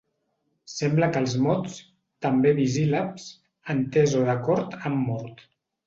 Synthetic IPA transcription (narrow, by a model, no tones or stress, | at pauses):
sɛmbləkəlˠzmɔtt͡s | t̪əmbeβizilaps | ənt̪ezoðəkɔɾt̪əmːɔɾt̪